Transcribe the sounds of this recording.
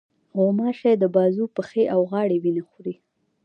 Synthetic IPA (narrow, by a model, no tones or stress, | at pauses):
ɣomɑʃad̪əbɑzupəxeʔawɣɑɽewinaxuɾi